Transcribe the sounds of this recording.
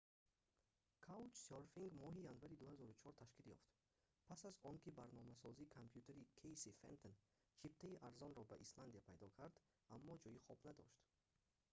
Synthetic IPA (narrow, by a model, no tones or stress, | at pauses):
kʰaut͡ʃsoɾfiŋɡmɔɦijanvaɾid̪uhazɔɾut͡ʃʰɔɾt̪ʰaʃkiljɔ̰ft̪ | pʰasazɔŋkibaɾnɔmasɔzikʰampʰjut̪ʰeɾikʰejsifḛnt̪ʰon | t͡ʃʰip̚t̪ʰaiʔaɾzɔnɾɔbaʔisland̪ijapʰajd̪ɔkʰaɾd̪ | amːɔd͡ʒɔjiχɔbnad̪ɔ̰ʃt̪